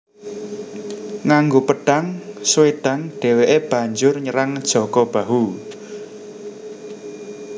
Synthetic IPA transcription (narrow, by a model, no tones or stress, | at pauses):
ŋaŋɡopəɖ̥aŋsweɖ̥a̤ŋɖ̥e̤weʔeb̥a̤ɲd͡ʒʊrɲəɾaŋd̥ʒ̥ɔ̤kɔb̥a̤ɦu